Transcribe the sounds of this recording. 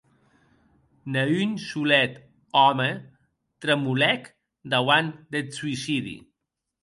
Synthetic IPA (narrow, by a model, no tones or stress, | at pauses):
nəynsulɛt̪ | ɔmə | t̪ɾəmulɛk | d̪awand̪ət̪suisiðḭ